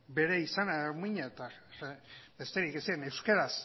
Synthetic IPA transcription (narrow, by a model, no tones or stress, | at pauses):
be̞ɾeisanaɾmiɲaet̪aebe̞st̪eɾikesienewskeɾas